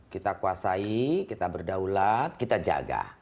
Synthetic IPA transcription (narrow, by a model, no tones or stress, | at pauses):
kit̪akuasaikit̪abərdaulat̪̚kit̪ad͡ʒa̰ɡa̰